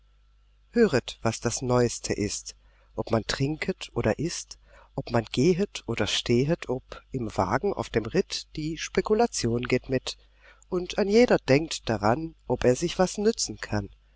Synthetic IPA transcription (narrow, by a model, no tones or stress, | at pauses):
høːʁətv̥asd̥asnɔʏstʰə̰ʔɪst | ʔɔpmantʁ̥ɪŋkʰətʰʔoːɾɐʔɪst | ʔɔpmanɡeːɦətʰʔoːdɐʃtʰeːɦətʰɔpɪmva̰ːɡŋ̩ʔa̰ʊfd̥eːmʁɪtd̥iːʃpekulat͡sjoːnɡeːtmɪt | ʔʊntanjeːdɐd̥ɛŋk̚td̥aʁanʔɔpeːɐzɪçv̥asnʏt͡sn̩kʰan